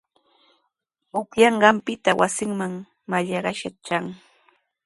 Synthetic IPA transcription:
ʊkjɑɴɢɑmpɪt̪awʔasɪŋmaŋ | maʎɑɢɑʃat͡ʃaŋ

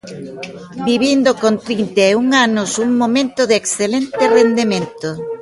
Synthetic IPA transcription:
biβind̪okont̪ɾint̪euŋanʊsuŋmomẽnt̪oðeksθelent̪ɪrend̪emẽnt̪o

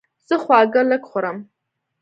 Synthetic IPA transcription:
sɨχʷaːɡɐlɨkʰχʷʊɾam

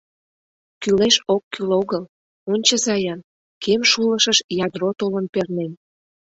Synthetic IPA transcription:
kyleʃokːyloɣəl | onʲt͡ɕəzɑjɑn | kʰemʃuləʃəʃjɑd̪rot̪olənpernen

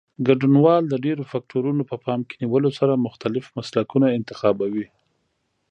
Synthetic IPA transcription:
ɡaɖunwɑld̪əɖeɾofɑk̚ʈʰoɾunopəpɑmke̥niwəlosaɾamʊxt̪alɪfmaslakunaɪnt̪ɪxɑbawi

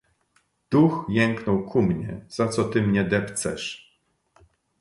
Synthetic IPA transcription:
d̪̥uxjɛŋknɔwkʰumɲɛz̥at̪sɔt̪ɘmɲɛd̪ɛpt̪sɛ̰ʂ

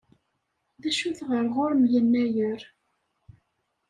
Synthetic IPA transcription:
ðæʃuθʁəɾʁʊɾəmjənːæjəɾ

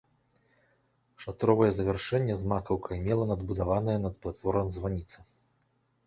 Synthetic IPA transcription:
ʂat̪ɾɔvɐjɛzɐvʲɛrʂɛnʲːɛzmakɐwkʰɐimʲɛlˠɐnɐd̪bud̪avanɐjɛnɐt̪plˠat̪fɔɾɐmzvanʲit̪sɐ

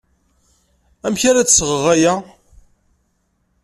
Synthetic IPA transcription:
æmçaɾæt͡sːsəʁəʁæjæ

